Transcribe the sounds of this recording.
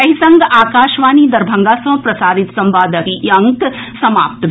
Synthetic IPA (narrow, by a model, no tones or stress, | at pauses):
ɐɦisɐ̃ŋɡaːkaːʃʋaːniːd̪ɐɾbʱɐ̃ŋɡaːsɐ̃ːpɾɐsaːɾit̪sɐmbaːd̪ʱɐɦiɐŋk | sɐma̰ːp̚t̪